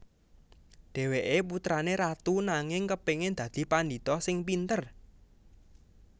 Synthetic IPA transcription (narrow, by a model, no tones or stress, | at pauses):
ɖ̥ɛ̤weʔeput̪ɾaneɾat̪unaŋɪŋkəpeŋend̪̥ä̤d̪̥i̤pandi̤t̪ɔsɪŋpint̪ər